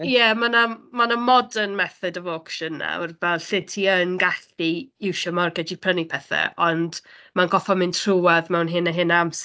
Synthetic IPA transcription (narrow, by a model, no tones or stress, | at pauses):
jɛmanamanamɔdənmɛθɨdɔvokʃənːa̰wrvɛlˠɬɪntʰiənɡaɬbiɪwʃɔmɔrɡɛdipʰrənipʰɛθɛ̰ʔɔndmanɡɔfɔmɪntʰr̥uaðmɛwnɦɪnəɦɪnaams